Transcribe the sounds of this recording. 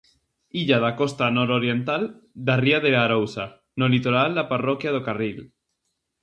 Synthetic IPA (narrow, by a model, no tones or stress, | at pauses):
iʎaðakost̪anoɾoɾjent̪ald̪ariaðeaɾowsa | nolit̪oɾald̪aparokjað̞okaril